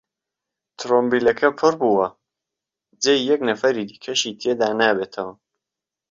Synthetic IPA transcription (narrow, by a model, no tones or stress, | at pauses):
t̪ʰɾombiːlɐkʰɐpʰʊɾbuːwɐ | d͡zeːjjɛknɐfɐɾid̪i̥ːkʰɐʃiːt̪ʰeːd̪aːnaːbeːt̪ʰɐwɐ